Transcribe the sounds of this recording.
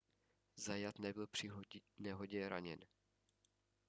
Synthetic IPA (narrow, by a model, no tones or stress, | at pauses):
zajat̪nɛbɪlpr̥ɪnɛɦoɟɛɾa̰ɲɛn